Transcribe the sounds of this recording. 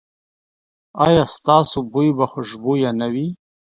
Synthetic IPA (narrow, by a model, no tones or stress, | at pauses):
ajɑst̪ɑsobojbaxʊʒbojanawi